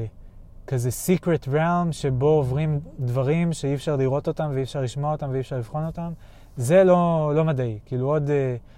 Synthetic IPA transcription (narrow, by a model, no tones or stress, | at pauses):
kaze̞sikʁetʁelmʃe̞bo̞ovʁimdvaʁimʃeifʃaʁliʁo̞t̪o̞tamveifʃaʁliʃmoaot̪amveiːfʃaʁliv̥χo̞no̞tam | ze̞lo̞lo̞madaikiːluo̞de